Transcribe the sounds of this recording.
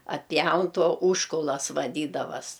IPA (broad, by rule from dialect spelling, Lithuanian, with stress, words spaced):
ɐtʲˈpʲjɛʊn ˈtoː ˈuːʃkʊlˠɐs ʋɐˈdʲiːdɐʋɐs